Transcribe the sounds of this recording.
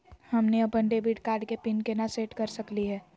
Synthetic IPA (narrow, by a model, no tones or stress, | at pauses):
hɐmneɐpənɖeːbiʈkaːɾɖkepɪnkenaseːʈkɐɾsəkliɦɛː